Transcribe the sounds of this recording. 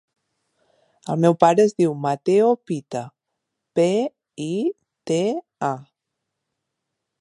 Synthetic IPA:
əlˠmɛwpaɾəːzðiwmat̪eopit̪ə | pe | i | t̪e | a

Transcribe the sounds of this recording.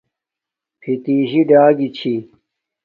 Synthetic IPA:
pʰit̪iːʑiɖaːɡit͡ɕʰi

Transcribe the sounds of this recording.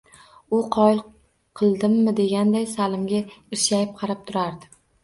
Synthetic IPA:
ʊqʰɒj | qʰɨlˠd̪ɪmːɪd̪e̞ɡʲand̪ajsalˠɪmɡʲaɪʃajɪp̚qʰɑɾap̚t̪ʰʊɾaɾd̪ɪ

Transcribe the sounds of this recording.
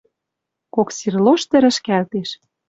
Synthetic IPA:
koksirloʃt̪ɘ̆ɾɘ̆ʃkælt̪eʃ

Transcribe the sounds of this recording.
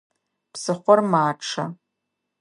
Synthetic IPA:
psɨχʷɔrmaːʈ͡ʂʰa

